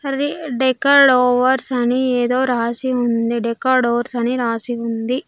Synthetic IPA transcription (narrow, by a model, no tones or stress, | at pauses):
ɐɾiɖɛkaːɾɖoːʋɐɾsɐnieːd̪o̞ːɾaːsiund̪iɖɛkaːɾɖoːʋɐɾsɐniɾaːsiund̪i